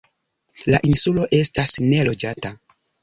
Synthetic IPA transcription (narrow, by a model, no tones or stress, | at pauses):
laʔinsulo̞ʔe̞stasne̞lo̞d͡ʒata